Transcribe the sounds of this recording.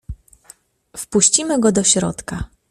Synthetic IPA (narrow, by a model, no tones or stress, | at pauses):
fpuɕt͡ɕimɘɡɔd̪ɔɕɾɔ̰t̪ka